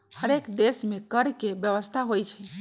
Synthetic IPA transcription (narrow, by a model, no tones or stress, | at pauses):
həɾekd̪esmẽkəɾkebjəʋəst̪ʰaɦojt͡ʃʰə